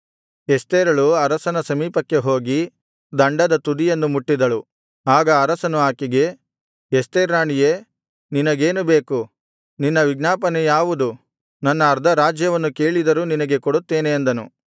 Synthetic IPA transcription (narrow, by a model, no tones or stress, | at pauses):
est̪eːɾɐɭuɐɾɐsɐnɐsɐmiːpɐkːe̞ɦo̞ːɡi | d̪ɐɳɖɐd̪ɐt̪ud̪ijenːumuʈːid̪ɐɭu | aːɡɐːɾɐsɐnuaːkiɡe̞ | est̪eːɾaːɳijeː | ninɐɡe̞ːnube̞ːku | ninːɐʋiɡnaːpɐnejaːʋud̪u | nɐnːɐːɾd̪ʱɐɾaːd͡ʒjɐʋɐnːuke̞ːɭid̪ɐɾuninɐɡe̞koɽut̪ːe̞ːneːnd̪ɐnṵ